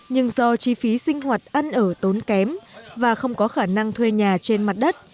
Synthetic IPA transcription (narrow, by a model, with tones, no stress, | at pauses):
ɲɨ˧ŋzɔ˧t͡ɕi˨˧˦fi˨˦sï˧ŋ̟hwaː˨˩t̚ʔa˧nʔəː˧˩t̪o˨˦nkɛ˨˦mvaː˨˩xə˧wŋ͡mkɔ˨˦xaː˧˩na˧ŋt̪ʰwe˧ɲaː˨˩t͡ɕe˧nma˨˩t̚ɗə˦˥t̚